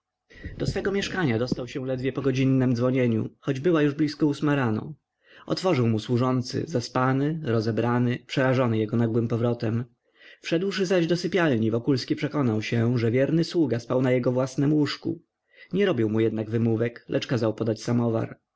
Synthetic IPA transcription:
d̪̥ɔsfɛɡɔmʲjɛʂkaɲad̪ɔst̪awɕɛ̃lɛd̪vʲjɛpɔɡɔd͡ʑinːɛmd̪zvɔɲeɲṵxɔd͡ʑbɘwajuʐblʲiskɔusmaɾanɔ̰ | ʔɔ̰t̪fɔʐɘwmuswuʐɔnt̪sɘ̰zaspanɘɾɔzɛbɾanɘpʂɛɾaʐɔnɘjɛɡɔnaɡwɘmpɔvɾɔt̪ɛm | fʂɛd̪wʂɘzaʑd̪ɔsɘpʲjalɲivɔkulskʲipʂɛkɔnawɕɛʐɛvʲjɛɾnɘswuɡaspawnajɛɡɔvwasnɛmwuʂkṵ | ɲɛɾɔbʲiwmujɛd̪naɡvɘmuvɛklʔɛt͡ʂkazawpɔd̪at͡ɕsamɔva̰ɾ

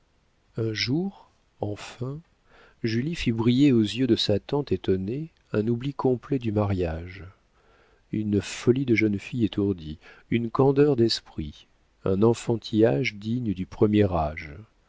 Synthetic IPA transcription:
ɛ̃ʒuʁ | ɑ̃fɛ̃ | ʒylifibʁijeozjød̪əsat̪ɑ̃t̪et̪ɔne | ɛ̃nublikɔ̃plɛd̪ymaʁjaʒ | ynfɔlid̪əʒənfijet̪ʰuʁd̪iynkɑ̃d̪œʁd̪ɛspχi | ɛ̰̃nɑ̃fɑ̃t̪ʰijaʒd̪iɲəd̪ypχəmjɛʁaʒ

